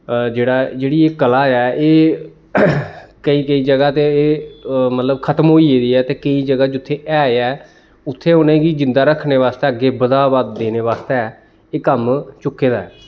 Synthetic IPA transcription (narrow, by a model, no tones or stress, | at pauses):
d͡ʒeːɽaːd͡ʒeːɽiːeːkəlaːɛːʔeː | kəĩːkəiːd͡ʒəɡaːt̪eeːmət̪ləbkʰət̪əmɦoːiːeːd̪iːɛːt̪eːkəiːd͡ʒəɡaːd͡ʒʊt̪ʰːeːʔɛːɛː | ʊt̪ʰːeːʊnẽːɡiːd͡ʒɪ̃nd̪aːɾəkʰːneːʋaːst̪eːəɡːeːbəd̪aːbaːd̪d̪eːneːʋaːst̪eɛː | eːkəmt͡ʃʊkːeːd̪aːɛː